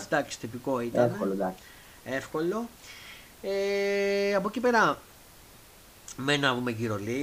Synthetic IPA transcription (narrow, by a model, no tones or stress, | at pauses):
d̪ɐkst̪ipiko̞it̪enkold̪ɐks | e̞fko̞lo̞ | e | ɐpocipe̞ɾɐ | menɐvumeʝiɾo̞li